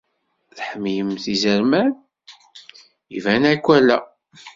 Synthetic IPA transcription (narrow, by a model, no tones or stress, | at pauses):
θħəmijəmθizəɾmæn | ivænækʷːælæ